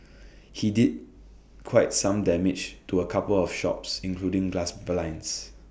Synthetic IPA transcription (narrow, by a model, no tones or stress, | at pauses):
hidid̚ | kʰwaɪt̚sãmdɛmɪd͡ʒtuəkʰapəlɔfʃɔ̰psĩnkʰludɪ̃ŋɡlasblãɪ̃ns